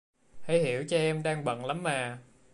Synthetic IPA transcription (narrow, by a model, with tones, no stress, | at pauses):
ha˧˥˩jhi˧˩əwt͡ɕɔ˧ʔɛ˧mɗaː˧ŋɓə̰˧˨nla˨˦mːaː˨˩